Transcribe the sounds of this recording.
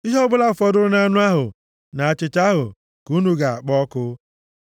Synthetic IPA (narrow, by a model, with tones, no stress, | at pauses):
i˦ɦɔ˦ɡ͡bʊ˦la˦˨fɔ˦dʊ˦ɾʊ˦na˦nʊ˦a˦ɦʊ˨ | na˨a˨t͡ʃɪ˨ta˦ɦʊ˨ | ku˦nu˦ɡa˨a˨k͡pɔ˦kʊ˦